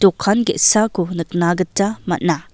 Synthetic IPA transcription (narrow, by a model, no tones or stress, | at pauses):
tokʰːanɡiʔsakʰunɯk̚naɡɯtːamɐ̰t̚na